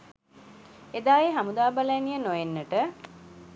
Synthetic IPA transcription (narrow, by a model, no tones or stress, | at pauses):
ed̪aːeɦamud̪aːbaləjnijənojenːəʈə